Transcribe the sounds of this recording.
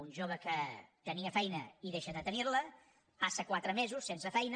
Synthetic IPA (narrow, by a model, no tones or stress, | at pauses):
unʲʒoβ̞əkət̪əniəfɛjnə̰iðeʃəðət̪ənirlə | asəkwat̪ɾəmezusːensəfɛjn